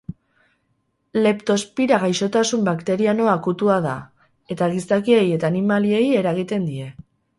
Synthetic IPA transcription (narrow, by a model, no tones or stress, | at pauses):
le̞pt̪o̞spiɾaɣajʃo̞t̪asumbakt̪e̞ɾiano̞akut̪uaða̰ | e̞t̪aɣisakie̞je̞t̪aːnimalie̞je̞ɾaɣ̞it̪e̞nd̪ie̞